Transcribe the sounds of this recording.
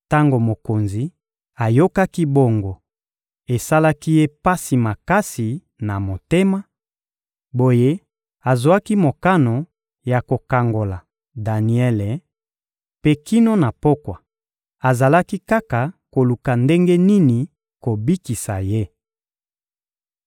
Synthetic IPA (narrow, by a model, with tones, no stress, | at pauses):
ta˦ŋɡo˨mo˨ko˨nzi˨ | a˨jo˦ka˦ki˦bo˦ŋɡo˨ | e˨sa˦la˦ki˦je˦pa˦si˨ma˨ka˦si˨ | na˨mo˨te˦ma˦ | bo˨je˦ | a˨zwa˦ki˦mo˨ka˦no˨ | ja˨ko˨ka˨ŋɡo˨la˨ | da˨ni˨ɛ˦le˨ | pe˦ki˦no˦na˨po˦kwa˨ | a˨za˨la˦ki˦ka˦ka˨ko˨lu˨ka˨nde˦ŋɡe˦ni˦ni˨ | ko˨bi˦ki˨sa̰˨je˦